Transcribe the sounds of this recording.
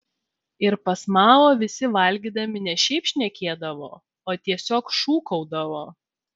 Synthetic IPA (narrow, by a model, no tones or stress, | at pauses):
ɪɾpɐsmɑːʋoːʋʲɪsʲɪʋɐlʲɡʲiːd̪ɐmʲɪnʲɛʃʲɛɪpʃʲnʲɛkʲeːd̪ɐʋo̰ː | oːt̪ʲiɛsʲoːkʃuːkɔʊd̪ɐʋoː